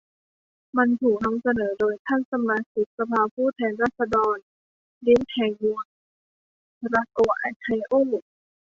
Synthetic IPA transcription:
ma˧nt̪ʰuː˨˩k̚nɔ˧ŋsa˧nɤː˩˦doː˧jt̪ʰa˥˩nsa˧maː˧si˨˦˥k̚sa˧pʰaː˧pʰuː˥˩t̪ʰɛː˧nɾaː˥˩t̪̚sa˧dɔː˧n | li˦˥nt̪ʰɛː˧ŋmuː˧ | ɾa˧˥koː˧ʔa̰˧k̪ʰa˧jʔoː˥˩

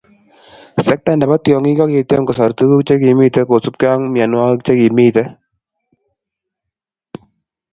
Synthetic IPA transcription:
sɛ˦k̚ta˦˨nda˨ba˦tjɔ˨ŋi˦ɡɔ˦ke˨te˦mkɔ˨sɔ˨ɾt̪u˦ku˦kt͡ʃe˦ki˨mi˦tɛ˦ko˨su˦p̚ka˦ŋmja˨nwa˦kt͡ʃe˦ki˨miː˦t̪ɛ˦

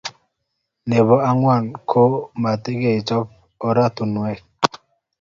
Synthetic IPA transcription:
ne˨βɔ˨a˦ŋwa˦˨nkʰo˦ma˨te˦ke˦˨i˨t͡ʃɔ˦p̚ | ɔ˦ɾa˦tu˨nwɛ˦k̚

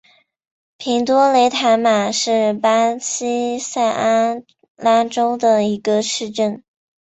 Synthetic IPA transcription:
pʰi˧˥ŋt̪wɔ˥le˧˥ɪt̪ʰa˧˥ɪma˨˩ʂɻ̩˥˩pa˥t͡ɕʰi˥sa˥˩ɪʔa˥n | la˥ʈ͡ʂo˥ʊd̪ə˨i˧˥ɡə˧ʂɻ̩˥˧ʈ͡ʂə˥˩n

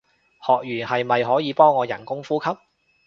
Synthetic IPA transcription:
hɔː˨k̚ɥyː˨˩nhɐ˨jmɐ˨jɦɔː˨˥jiː˨˧pɔː˥ŋːɔː˨˧jɐ˨˩nkʊ˥ŋfuː˥kʰɐ˥p̚

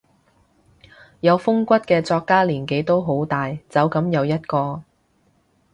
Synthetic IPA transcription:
jɐ˨˧wfʊ˥ŋkʷɐ˥t̚kɛː˧t͡sɔː˧kːaː˥liː˨˩nke˨˥jt̪o˥wɦo˨˥wt̪aː˨jt͡sɐ˨˧wkɐ˨˧˥mjɐ˨˧wjɐ˥t̚kɔː˧

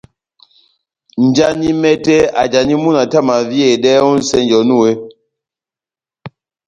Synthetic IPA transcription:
n̩˨d͡ʒa˦ni˦mɛ˦tɛ˦a̰˨d͡ʒa˨ni˦mu˦na˨ta˦˨ma˨vje˨dɛ˦u˦n̩˦sɛ˦nd͡ʒɔ˨nu˦˨we˦

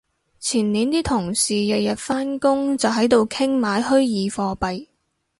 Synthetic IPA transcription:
t͡sʰiː˨˩nniː˨˥nt̪iː˥t̪ʰʊ˨˩ŋsiː˨jɐ˨jjɐ˨t̚faː˥nkʊ˥ŋt͡sɐ˨wɦɐ˨˥jt̪o˨wkʰɪ˥ŋmaː˨˥jhɵ˥ɥjiː˨fɔː˧pɐ˨j

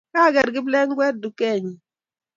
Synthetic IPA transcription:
kaː˦˨ɡɛ˨ɾɡi˦blɛ˦ŋ˦ɡwɛ˦t̚du˨kɛ˦˨ɲi˨

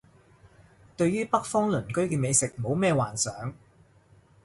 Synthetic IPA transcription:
t̪ɵ˧ɥjyː˥pɐ˥k̚fɔː˥ŋlɵ˨˩nkɵ˥ɥkɛː˧me˨˧jsɪ˨k̚mo˨˧wmɛː˥˧waː˨˩nsœː˨˥ŋ

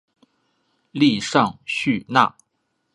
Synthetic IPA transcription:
li˥˧ʂɑ˥˧ŋɕy˥˧na̰˥˩

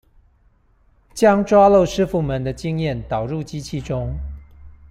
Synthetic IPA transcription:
t͡ɕjɑ˥ŋʈ͡ʂwa˥lo˥˨ʊʂɻ̩˥fu˥˩mə˨˦nd̪ə˧t͡ɕi˥ŋjɛ˥˩nt̪ɑ˨˩ʊɻu˥˨t͡ɕi˥t͡ɕʰi˥˩ʈ͡ʂʊ˥ŋ

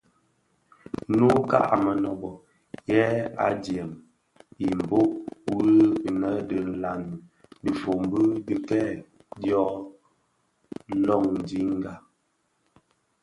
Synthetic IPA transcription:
nu˦ka̰˦ʔa˨mə˨nɔ˨bɔ˨ | jɛ˦a̰˨djɛ˨m | i˨m̩˨bo˦ʔwə˦˨nə˦də˨n̩˨la˨n˨di˨fo˨m˦bɨ˦di˨kɛ˦ | djɔ˦ | lɔ˦˨ŋn˨di˦ŋ˦ɡa˨

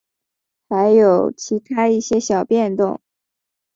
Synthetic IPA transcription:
xa˧˥ɪjo˨˩ʊt͡ɕʰi˧˥t̪ʰa˥i˥˩ɕjɛ˥ɕjɑ˨˩ʊpjɛ˥˧nt̪ʊ̰˥˩ŋ

